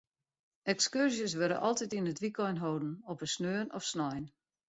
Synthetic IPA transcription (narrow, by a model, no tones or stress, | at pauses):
ɛkskyrzjəsʋøɾə̰ʔɔlˠtitinətʋikɔjnɦowdn̩ɔpəsnøːnɔfsnɔjn